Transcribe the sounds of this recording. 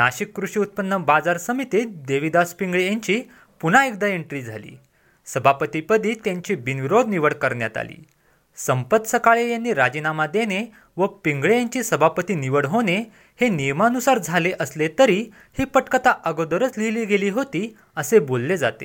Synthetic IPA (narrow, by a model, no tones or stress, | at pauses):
naɕikːɾuɕiut̪̚pənːəbad͡zaɾsəmit̪id̪eʋid̪aspiŋɡɭejaɲt͡ɕiː | punaek̚d̪aeɳʈɾiːd͡zʱa̰lḭː | səbʱapət̪ipəd̪ʱiːt̪jãɲt͡ɕiːbinʋiɾod̪ʱniʋəɽkəɾɳja̰t̪a̰lḭː | səmpət̪səkaɭejanːiːɾad͡ʑinamad̪eñe | ʋəpiŋɡɭejaɲt͡ɕiːsəbʱapət̪iːniʋəɽɦoñe | henijmanusaɾd͡zʱaleʔəslet̪əɾi | hiːpəʈkət̪aʔəɡod̪əɾət͡sliliːɡeliːɦot̪iː | əsebolːed͡za̰t̪ḛ